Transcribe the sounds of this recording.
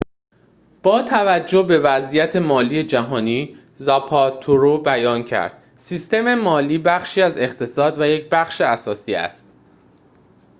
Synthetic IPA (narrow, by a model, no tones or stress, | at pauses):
b̥ɒːt̪ʰævæd͡ʒːo̞be̞væzijæt̪ʰe̞mɒːliːe̞d͡ʒæɦɒːniː | zɒpʰɒt̪ʰoɾobæjɒːncʰæ̰ɾd̪̥ | sist̪e̞me̞mɒːliːbæχʃiːæze̞χt̪ʰe̞sɒːd̪væje̞cbæχʃeæsɒːsiːæ̰st̪